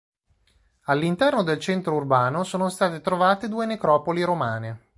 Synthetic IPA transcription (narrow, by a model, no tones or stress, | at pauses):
alːint̪ɛrnod̪elt͡ʃɛnt̪ɾourbaːnosoːnost̪aːt̪et̪ɾovaːt̪ed̪uːenekɾɔːpoliɾomaːne